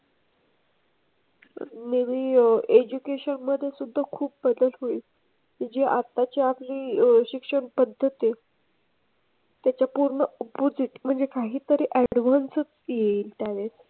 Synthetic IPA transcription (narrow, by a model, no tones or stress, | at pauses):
neʋiːed͡ʑukeɕənməd̪ʱːjesud̪ʱːakʰuːp̚bəd̪əlɦoi | kid͡ʑeʔat̪at͡ɕiapliːɕikʂəɳpəd̪ʱːət̪i | t̪jat͡ɕjapuɾɳəupud͡ziːt̪m̤əɳd͡zekaɦiːt̪əɾeʔæɽʋansət͡sjeiːlt̪janet͡s